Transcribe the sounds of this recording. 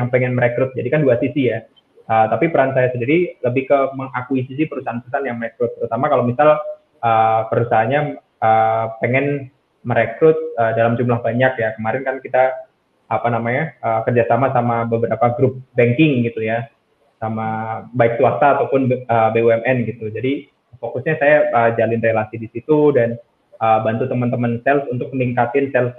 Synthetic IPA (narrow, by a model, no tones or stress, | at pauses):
jaŋpɛŋɛnməɾekɾʊt̪̚d͡ʒadikanduasisija | əːt̪apipəɾansajasədadiləbɪhkəməŋakuisis̬ɪpəɾusaanpəɾusaanjaŋmərekɾʊt̪̚ːəɾut̪amakalomisal | əpəɾusaɦanɲa | əːpeŋɛn | məɾekɾʊt̪̚əːdalamd͡ʒumlahbaɲakjakəmaɾɪnkankit̪a | apanamaɲaəːkərd͡ʒasamasamabəbəɾapaɡɾʊp̚bɛŋkɪŋɡit̪uja | samabaɪk̚suasaːt̪awpʊnəbeuɛmɛnɡit̪ud͡ʒadi | fokʊsɲasajaəd͡ʒalɪnrelasidisit̪udan | əbant̪ut̪əmənt̪əmənsɛlsunt̪ʊk̚məniŋkat̪ɪnsɛls